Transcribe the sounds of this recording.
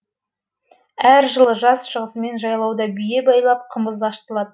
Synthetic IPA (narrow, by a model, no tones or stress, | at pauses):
æɾʒəlˠəʒɑsʃəʁəsəme̞nʒɑjlˠɑwd̪ɑbije̞bɑjlˠɑp̚qʰəməzd̪ɑʃt̪əlˠɑd̪ə